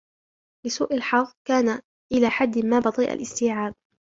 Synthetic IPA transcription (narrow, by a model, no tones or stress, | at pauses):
lɪsuːʔalħɑɣkaːna | ʔɪlaːħad̪ːmaːbɑt̪ˤiːʔa̰lʔɪst̪iːʕaːb̚